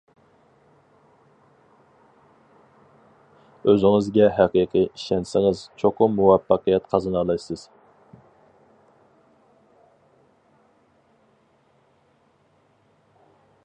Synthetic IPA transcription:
øzɪŋɨzɡʲɛɦæqiqʰijiʃɛnsɪŋɨzt͡ʃʰoqʰʊmmːuwɑfːɑqəjɛt̪qʰɑzɑnɑlˠɑjsɨz̥

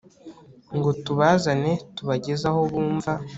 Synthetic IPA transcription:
ŋɡo̞tuβaːzane̞tuβaɟe̞zaho̞βuːɱva

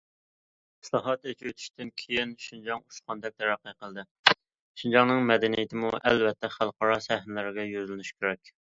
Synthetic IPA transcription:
i̥slˠɑɦɑt̪et͡ʃʰyyt̪ʰy̥ʃt̪ɪnkʲʰejinʃind͡ʒɑŋuʃqɑnd̪ɛk̚t̪ʰɛɾæqːəqəlˠd̪ɨ | ʃind͡ʒɑŋnɨŋmɛd̪ɛnijɪt̪ʰɪmuʔɛlvɛt̪ʰːɛχælˠqɑɾɑsɛhnɪlɪɾɪɡʲɛjøzlɪnyʃkʲʰeɾɛkʲ

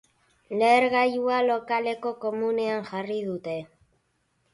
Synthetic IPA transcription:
leɾɣajualo̞kale̞ko̞ko̞muneaŋʝarið̞ut̪e̞

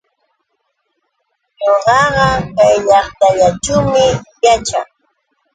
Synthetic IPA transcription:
ɲoɢɑɢɑkajʎɑχt̪aʎat͡ʃawmɪjat͡ʃa̰ŋ

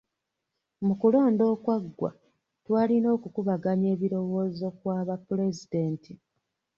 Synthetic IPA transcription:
mukulo̞ːndo̞ːkwaɡwa̰ | twaːlino̞ːkukuβaɡaɲe̞ːβiɾo̞wo̞ːzo̞kwaːβapːule̞zide̞ːnti

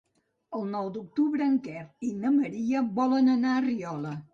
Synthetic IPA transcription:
əlˠnɔwd̪uk̚t̪uβɾəːŋkɛrinəməɾiəβɔlənənaəriɔlə

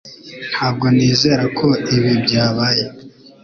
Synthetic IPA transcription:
n̥haːb̚ɡo̞niːze̞ːɾakʰo̞iβibɟaːβaːje

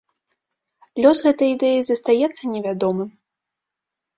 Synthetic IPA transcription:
lʲɔsɣɛt̪ɐjid̪ɛjizɐst̪ajɛt̪sːɐnʲɛvʲad̪ɔmɨm

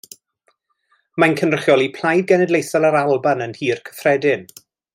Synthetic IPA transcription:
mankʰənrəχjɔlˠipʰl̥ˠajd̚ɡɛnɛdlˠejsalaɾalˠbanənhiːrkʰə̥frɛdɪn

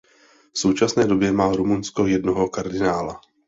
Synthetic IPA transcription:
fso̞wt͡ʃasnɛːdobjɛmaːɾumunsko̞jɛdnoɦo̞kaɾdɪnaːla

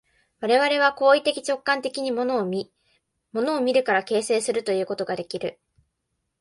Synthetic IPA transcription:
βaɾe̞βaɾe̞β̞ako̞ːit̪e̞kʲi̥t͡ɕo̞kːãnt̪e̞kʲiɲ̟imono | mo̞no̞ːmʲiɾɯ̟kaɾake̞ːse̞ːsɨɾɯ̟t̪o̞jɯ̟ːko̞t̪oɡad̪e̞kʲiɾɯ̟

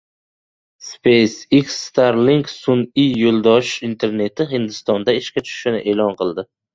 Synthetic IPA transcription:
spejsiksːt̪ʰaɾliŋksʊnijolˠd̪ɒʃint̪ʰe̞ɾne̞t̪ʰɪɦɪnd̪ɪst̪ɒnd̪aɪʃkʲat͡ʃ̪ʰʊ̥ʃʃɪnɪ̰ʔe̞ːlɒnqɨlˠd̪ɪ

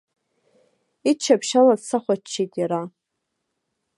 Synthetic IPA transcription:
it͡ʃʰapʰʃaladsaχʷat͡ʃʰːitʼjaɾa

